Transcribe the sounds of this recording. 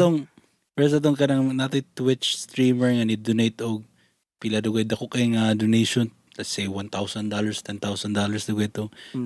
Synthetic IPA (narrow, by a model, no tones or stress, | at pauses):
t̪oŋ | pɛsɐt̪̬oŋkɐnɐŋnat̪ojt̪wɪtt͡ʃst̪ɾiːmɛɹŋɐnɪd̪ʊnejt̪oɡ̚ | pɪlɐd̪ʊɡajd̪ɐkokɐŋad̪onejʃon | lɐsejwant̪awsɐnd̪alɐɹst̪ʰɛnt̪awsɐnd̪olɐɹsd̪ʊɡajt̪o